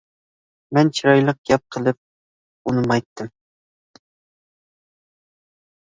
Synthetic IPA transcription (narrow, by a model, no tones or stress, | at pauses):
mɛnt͡ʃʰiɾɑjlˠəq̚ɡ̥ʲɛp̚qʰəlˠɨp̚ | unɨmɑjt̪ʰːɨm